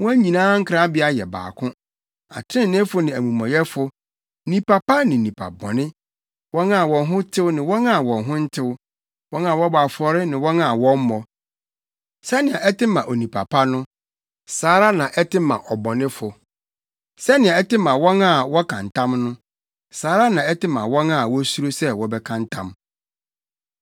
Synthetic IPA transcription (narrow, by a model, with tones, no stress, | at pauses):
wɔ̃˦æ˦ɲĩ˨nãː˦ŋ̩˦kʰɾa˦bɪ˦a˦jɛ̰˨ba̰ː˨kʰʊ̃˦ | a̰˨tʰɾɪ̃˦n˨nɪ̃˦fʊ˦nɪ̃˨æ˨mũ˨mɔ̃˨jɛ˦fʊ˨ | nĩ˨pʰa˨pa˦nɪ̃˨nĩ˨pʰa̰˨bɔ̰˨nɪ̃˦ | wɔ̃˦nã˨wɔ̃˨nɦʊ̃˦tʰɪ˦wʊ˦nɪ̃˨wɔ̃˦na˦˨wɔ̃˨nɦʊ̃˦n̩˦tʰɪ˦w | wɔ̃˦n˦ã˨wɔ˦ba˨fɔ˨ɾɪ˦nɪ̃˨wɔ̃˦na˨wɔ̃˦m˦mɔ˨ | sɛ˦nɪ̃˨ã˨ɛ˦tɪ˦mã˨ʔo˨nĩ˨pʰa˨pʰa˦nʊ̃˦ | saː˨˦ɾa˦nã˨ʔɛ˦tʰɪ˦mã̰˨ʔɔ˨bɔ̃˨nɪ̃˦fʊ˨ | sɛ˦nɪ̃˨ã˨ɛ˦tɪ˦mã˨wɔ̃˦na˦˨wɔ˦kʰã˨ntʰã˦mnʊ̃˦ | saː˨˦ɾa˦nã˨ɛ˦tɪ˦mã̰˨wɔ̃˦na˨wɔ˦su˦ɾo˦sɛ˦wɔ˦bɛ˦kʰã˦n˦tʰã˦m